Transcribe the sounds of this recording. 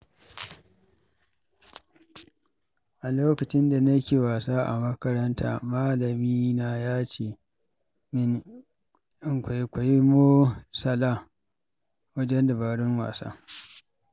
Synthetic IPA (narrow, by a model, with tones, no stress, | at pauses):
ʔa˨loː˦kɐ˨t͡ʃɪ˦nda˨nɐ˦kʲeː˨waː˨saː˦ʔa̰˨mɐ˦kɐ˦ɾɐ˦nta̰ː˨maː˦lɐ˨miː˦na˨jaː˦t͡ʃeː˨ | ɪ˦n | ʔɪ˦ŋkʷa˨˦kʷa˨ji˦mo˦sɐ˨laː˦ | wɐ˦d͡ʒɛ˦nda˨baː˨ɽɪ˦ŋwa̰ː˨sa̰ː˦